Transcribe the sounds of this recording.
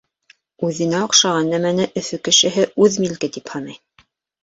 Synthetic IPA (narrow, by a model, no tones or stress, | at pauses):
ʉðɘ̆næŏqʃɑʁɑnːæmænɘʔɵ̆fɵkɘ̆ʃɘ̆ɦɘʉðmilkɘt̪iphɑnɤj